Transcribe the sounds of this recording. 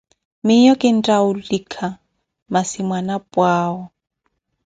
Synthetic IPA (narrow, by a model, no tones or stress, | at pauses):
mɪjɔkʼɪn̩tʼaulikʰa | masimwanapʼwaːɔ